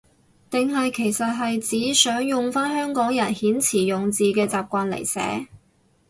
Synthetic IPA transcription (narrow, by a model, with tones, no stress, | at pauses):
t̪ɪ˨ŋɦɐ˨jkʰe˨˩jsɐ˨t̚ɦɐ˨jt͡siː˨˥sœː˨˥ŋjʊ˨ŋfaː˥nhœː˥ŋkɔː˨˥ŋjɐ˨˩nhiː˨˥nt͡sʰiː˨˩jʊ˨ŋt͡siː˨kɛː˧t͡saː˨p̚kʷaː˧nlḛ˨˩jsɛ̰ː˨˥